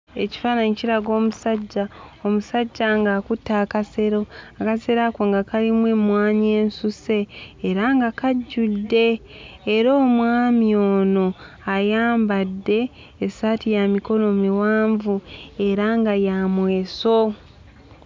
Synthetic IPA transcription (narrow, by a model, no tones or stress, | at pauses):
e̞ci̥fanaɲiciɾaɡo̞ːmusaɟːaomusaɟːaŋɡakutːaːkase̞ɾo̞akase̞ɾakwoŋɡakalimwemwaːɲeːnsuse̞ːɾaŋɡakaɟːudːe̞ː | ɾo̞ːmwaːmjoːno̞ | ajaːmbadːe̞ː | satijamiko̞lo̞miwaːɱvue̞ɾaŋɡajamwe̞ːso